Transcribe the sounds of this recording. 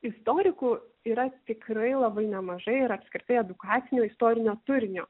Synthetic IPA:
ɪst̪oːɾʲɪkuːiːɾɐt̪ʲɪkɾɐɪlˠɐbɐɪnʲɛmɐʒɐɪɪɾɐpʲskɾʲɪt̪ɐɪɛd̪ʊkɑːt̪sʲɪnʲoːɪst̪oːɾʲɪnʲoːt̪ʊɾʲɪnʲoː

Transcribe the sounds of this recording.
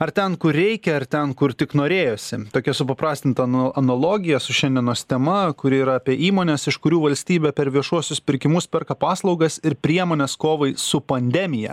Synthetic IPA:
ɐɾt̪ʲɛnkʊɾɾʲɛɪkʲɛɐɾt̪ʲɛnkʊɾt̪ʲɪknoːɾʲeːjoːsʲɪt̪oːkʲɛsʊpɐpɾɑːsʲt̪ʲɪnt̪ɐɐnɐlˠoːɡʲɪjɛsʊʃʲɛnʲd̪ʲiɛnoːst̪ʲɛmɐkʊɾʲɪːɾɐɑːpʲiɛʔiːmoːnʲɛsɪʃkʊɾʲuːʋɐlʲsʲt̪ʲiːbʲɛpʲɛɾʋʲiɛʃuɔsʲʊspʲɪɾʲkʲɪmʊspʲɛɾkɐpɑːslˠɒʊɡɐsɪɾpʲɾʲiɛmoːnʲɛskoːʋɐɪsʊpɐnʲd̪ʲɛmʲɪjɛ̰

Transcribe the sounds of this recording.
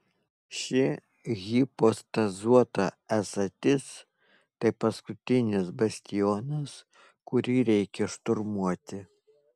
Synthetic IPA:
ʃʲɪ | ɣʲɪpost̪ɐzuɔt̪ɐɛsɐt̪ʲɪs | t̪ɐɪpɐskʊt̪ʲɪnʲɪsbɐsʲt̪ʲɪjoːnɐs | kʊɾʲiːɾʲɛɪkʲɛʃt̪ʊɾmuɔt̪ʲɪ

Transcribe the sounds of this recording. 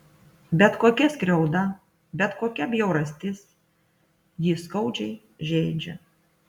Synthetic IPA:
bʲɛt̪koːkʲɛsʲkɾʲɛʊd̪ɐ | bʲɛt̪koːkʲɛbʲjɛʊɾɐsʲt̪ʲɪs | jiːskɐʊd͡ʒʲɛɪ | ʒʲɛːd͡ʒʲɛ̰

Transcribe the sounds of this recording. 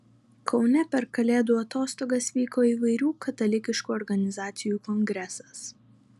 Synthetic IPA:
kʰɒʊnʲɛpʲɛɾkɐlʲeːd̪uːɐt̪oːst̪oːɡɐsʋʲiːkoːiːʋɐɪɾʲuːkʰɐt̪ɐlʲɪkʲɪʃkuːɔɾɡɐnʲɪzɑːt̪sʲɪjuːkɔŋʲɡɾʲɛsɐ̥s

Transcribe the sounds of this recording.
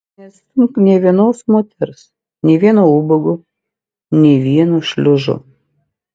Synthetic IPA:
nʲɛst̪ʲʊmknʲɛːʋʲiɛnoːsmoːt̪ʲɛɾs | nʲɛɪʋʲiɛnoubɐɡʊ | nʲɛʋʲiɛnuʃʲlʲʊʒʊ̰

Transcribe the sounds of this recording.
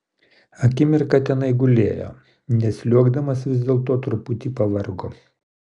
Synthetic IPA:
ɐkʲɪmʲɪɾkɐt̪ʲɛnɐɪɡʊlʲḛːjo̰ː | nʲɛsʲlʲuɔɡd̪ɐmɐsʋʲɪzʲd̪ʲeːlˠt̪oːt̪ɾʊpʊt̪ʲipɐʋɐɾɡʊ

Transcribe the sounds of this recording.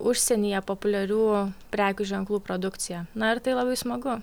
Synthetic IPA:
ʊʃʲsʲɛnʲiːjɛpoːpʊlʲɛɾʲuːpʲɾʲæːkʲuʒʲɛŋklˠuːpɾoːd̪ʊkt̪sʲɪjɛnɐɪɾt̪ɐɪlˠɐbɐɪsmɐɡʊ

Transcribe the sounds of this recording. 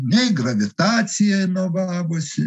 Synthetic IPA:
nʲɛɪɡrɐʋʲɪt̪ɑːsʲɪjɛɪnoːʋɑːʋosʲɪ

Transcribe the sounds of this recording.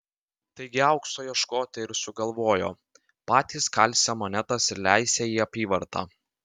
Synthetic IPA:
t̪ɐɪɡʲɪɐʊkst̪oːjɛʃkoːt̪ʲɛɪɾsʊɡɐlˠʋoːjo̰ː | pɑːt̪ʲiːskɐlʲsʲɛmonʲɛt̪ɐsɪɾlʲæɪsʲeːjiːɐpʲiːʋɐɾt̪ɑ̰ː

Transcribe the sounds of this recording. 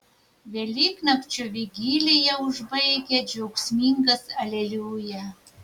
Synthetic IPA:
ʋʲelʲiːknɐkt͡ʃʲʊʋʲiɡʲiːlʲɪjɛʊʒbɐɪɡʲɛd͡ʒʲɛʊksʲmʲiːŋɡɐsɐlʲɛlʲuːjɛ

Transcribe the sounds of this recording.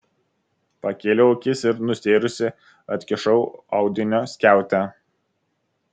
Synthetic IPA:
pɐkʲeːlʲɛoːkʲɪsɪɾnʊsʲeːɾʊsʲɪ | ɐt̪ʲkʲɪʃɐʊɐ̰ʊd̪ʲɪnʲoːsʲkʲæˑʊt̪ʲæ

